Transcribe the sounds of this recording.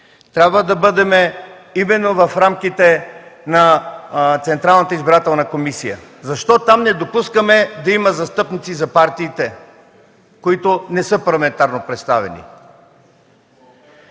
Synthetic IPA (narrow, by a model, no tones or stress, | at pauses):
t̪ɾʲabvəd̪ɐbɤd̪ɛmɛ | imɛnːovɐfɾamk̟it̪ɛnɐ | t̪sɛnt̪ɾalˠnət̪əizbiɾat̪ɛlˠnəkomisijə̰zɐʃt̪ɔt̪amnɛd̪opuskəmɛd̪ɐimɐzɐst̪ɤpnit̪sizɐpaɾt̪iːt̪ɛ | koit̪onɛsɤpɐɾlˠɐmɛnt̪aɾnopɾɛt̪st̪avɛ̰nḭ